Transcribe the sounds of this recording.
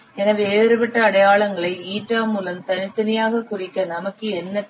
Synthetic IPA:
ɛnɐʋeːɾɯpɐʈːɐːɽɐjaːɭɐŋɡɐɭɐɪiːʈɾaːmuːlɐmt̪ɐnɪt̪ːɐnɪjaːɣɐkʊrɪkːɐnɐmɐkːɯɛnːɐ

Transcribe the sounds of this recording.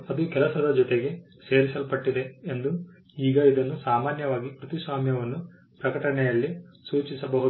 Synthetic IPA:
ɐd̪ukɛlɐsɐd̪ɐd͡ʒɔt̪eɡe̞ | se̞ːɾisɐlpɐʈːid̪e̞end̪u | iːɡɐid̪ɐnːusaːmaːnjɐʋaːɡikɾut̪isʋaːmjɐʋɐnːu | pɾɐkɐʈɐɳɛjɐlːisuːt͡ʃisɐbɐɦu

